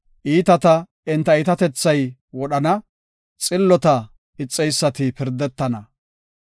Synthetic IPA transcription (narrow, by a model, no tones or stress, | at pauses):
ʔiːt̪ɐt̪ɐ | ɪnt̪ːɐɪt̪ɐt̪ɛt͡sːɐjwɔɗɐnɐ | t͡sʼɪlːɔt̪ɐ | ɪt͡sʼːɛjsːɐt̪ɪpɪɾd̪ɛt̪ːɐnɐ